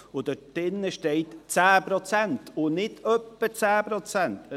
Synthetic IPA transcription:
ʊd̥̪ədɪnːəʃteɪtt͡sæːpɾot͡sæntʰʊnɪtʰœpːət͡sæːpɾɔt͡sænt

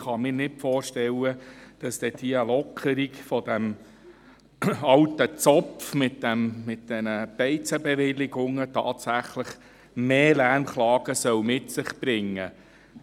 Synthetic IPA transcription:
χɑmɪːɾnɪtfɔːrʃtɛwəd̥ɑsd̥̪ɛd̥iəlɔkʰəɾikfɔd̥̪æm | ɑltət͡sɔfmɪt̚d̥æmmɪt̚d̥ɛnəb̥ɛɪt͡səbɛʋɪlɪɡʊŋətʰɑ̰ːtsæχləχ | meːlæɾmχlɑːɡ̥əsœwmɪtsɪχbɾɪŋːə

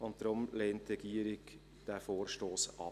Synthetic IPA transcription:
ʊntd̥ɾʊmlɛːntrɛɡ̥iːəɾɪɡ | d̥æːfoːɾʃtoːsɑ̰

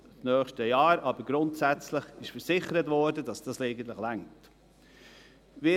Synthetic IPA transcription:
snœːχʃtəjɑːɾɑbəɾɡ̥ɾʊntsæt͡sləχɪʃfəɾsɪχəɾətvɔːɾdədɑsd̥ɑsleɪɡən̩tləχlæŋt | vɪ

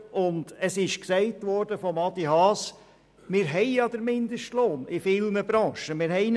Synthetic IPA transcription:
ʔʊnd̥əsɪʃksɛɪtʋɔːɾd̥əfɔmɑd̪iɦɑːs | mɪːɾɦɛɪjɑd̥̪əɾmɪnd̪əʃtloːnɪfɪlnəbɾɑ̃ːʃəmɪːɾɦɛɪn

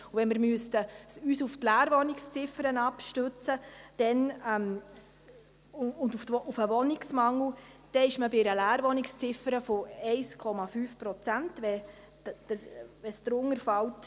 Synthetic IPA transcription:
uvɛnmɪɾmyəstəsyːsʊftlæːɾʋɔnɪkst͡sɪfəɾənɑpʃtøt͡səd̥ɛnɛm | ʊnduftufəʋɔnɪksmɑŋl̩ud̥ɛɪʃməbɪɾəlæːɾʋɔnɪkst͡sɪfəɾəfoɛɪskʰɔmɑfyːfpɾɔt͡sæntʋɛ̥ | əɾʋɛsd̥̪ɾʊŋəɾfɑlt

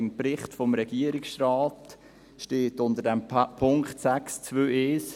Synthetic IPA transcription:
ɪmpɾɪχtfɔmɾɛɡ̥iəɾɪksraːt | ʃteːtʊndədɛmpʰʊŋkχtsækst͡svøːʔeːs

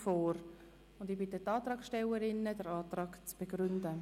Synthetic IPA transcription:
foːɾ | ʊndɪbɪt̪ːətːɑːt̪ɾɑːksʃtɛləɾɪnːəd̥əɾɑːt̪rɑːɡt͡sb̥eɡɾʏndə

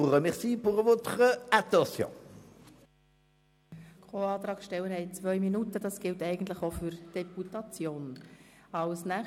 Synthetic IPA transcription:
uʁəmɛʁsiːpuʁəvot̪ʁəat̪ɔsjɔ̰̃ | kʰoɑːt̪ɾɑːkʃtɛlwəɾhɛɪt͡sʋœʏminutədɑsɡ̥ɪltɛɪɡən̩tləχofʏɾd̥ɛputɑt͡sjoːnɑlsnæ

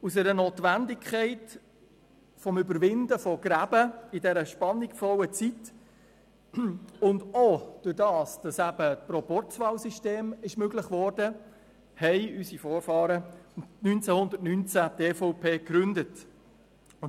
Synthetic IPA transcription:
usɛɾənoːtʋændɪkʰχɛɪt | fɔmʏbəɾʋɪndəfɔɡ̥ɾæbəɪdɛɾəʃpɑnːɪkfɔwət͡sit | ʊndod̥ʊɾdɑːsd̥ɑsæb̥ətpɾɔpɔɾt͡svɑːwsiʃteːmɪʃmøɡlɪχʋɔːrdə | hɛɪysifoːrfɑːɾənynt͡sæhʊndətnynt͡sæteːfɔʊpʰeːkɾʏndət

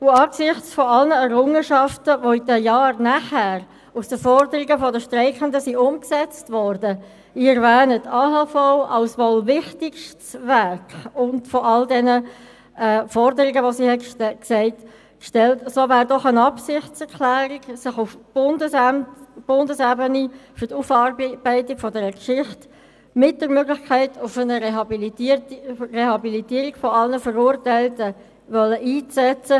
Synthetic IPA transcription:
ʊɑːksɪχt͡sfɔɑlnəɛɾʊŋəʃɑftəvoidəjɑːɾnæχæːɾ | usd̥əfɔɾdəɾiɡəfɔdəʃtɾɛɪkəndəsiʊmksɛt͡stvɔɾdə | ɪəɾvɛːnətʰɑːɦɑfaʊʔɑlsʋolvɪχtɪkʃtsvæɾkʊndfɔʔɑldɛnə | ɛːfɔɾdəɾɪɡəʋosihɛksɛɪt | kʃtɛltsoːvæːɾdɔχənɑpsɪχtt͡sɛɾkʰlæːɾiɡsɪχufbndəsmtb̥ʊndəsɛbənifyɾtufɑrb̥æɪtɪɡfɔdɛɾəkʃɪχt | mɪt̚d̥əɾmøɡlɪxkʰæɪtʰʊfənə | rehɑbilitiːɾiɡ̥fɔɑlnəfəɾuːɾtæɪltə | ʋœlːəʔiːt͡sɛt͡sə

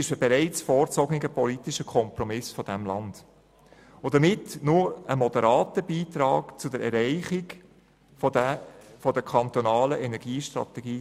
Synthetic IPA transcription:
ɪʃəbɛɾɛɪt͡sfɔːɾt͡sɔɡnɪɡəpɔlitiʃəkʰɔmpɾɔmɪsfɔd̥æmlɑnd̥ | od̥̪əmɪtnʊɾəmɔd̥əɾɑːtəbiːt̪ɾɑːkt͡sʊdəɾɛɾɛɪχɪɡ | fɔdəkʰɑnt̪ɔnɑːləʔɛnɛɾɡ̥iːʃtɾɑ̰t̪ɛɡ̥iː

